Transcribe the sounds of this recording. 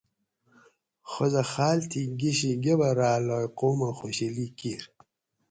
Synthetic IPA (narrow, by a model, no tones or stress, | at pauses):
xozɐxaːlt̪ʰiɡiɕiɡebɐɾaːlɔːjqoːmaxoɕilikiɾ